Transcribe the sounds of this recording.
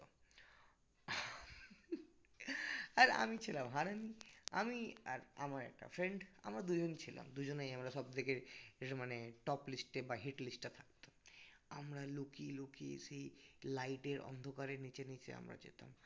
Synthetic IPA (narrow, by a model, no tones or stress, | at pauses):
o | aɾa̰mit͡ɕʰilamɦaɾania̰miaɾamaɾɛ̰k̚ʈa̰fɾeɳɖa̰mɾad̪ud͡ʑont͡ɕʰila̰md̪ud͡ʑonejamɾaʃɔbd̪ʱekeɾmaneʈɔplisʈːebaɦeʈlisʈːat̪ʰḁk̚t̪ḁmamɾalukilukiʃejlajʈeɾʔɔ̰nd̪ʱokaɾeɾnit͡ɕenit͡ɕḛa̰mɾa̰d͡ʑḛt̪a̰m